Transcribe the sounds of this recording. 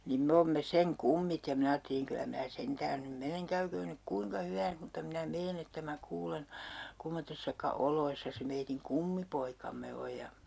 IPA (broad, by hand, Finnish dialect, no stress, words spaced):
niːm me oːmːe seŋ kumːit jɑ min ɑːtːeliŋ kylæ mæː sentæːn nym meneŋ kæykøːn nyk kuiŋkɑ hyʋæːns mutːɑ minæ meːn etːæ mæ kuːlen̞ kumːotːesːɑkɑ oloisːɑ se meitiŋ kumːipoikɑmːe oj jɑ